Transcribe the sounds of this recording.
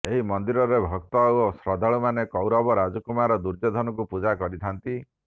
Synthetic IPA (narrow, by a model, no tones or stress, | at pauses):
eɦimɔnd̪iɾɔɾebʱɔk̚t̪ɔosɾɔd̪ʱaɭumanekɔwɾɔbɔɾad͡ʒɔkumaɾɔd̪uɾd͡ʒɔd̪ʱɔnɔkupud͡ʒakɔɾit̪ʰant̪i